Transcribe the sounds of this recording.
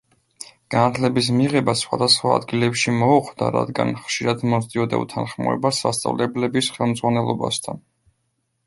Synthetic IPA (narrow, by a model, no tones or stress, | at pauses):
ɡ̥anat̪ʰlɛbis̬miʁɛbasχwad̪asχwaːd̪ɡilɛpʃimɔuχʰd̪a̰ɾa̰d̪ɡa̰nχʃiɾad̪mɔzd̪iɔd̪a̰ṵt̪ʰanχmɔ̰ɛ̰basːa̰st̪sʼa̰vlɛblɛbisχɛlˠmd̪zʁwanɛlˠɔba̰st̪ʰan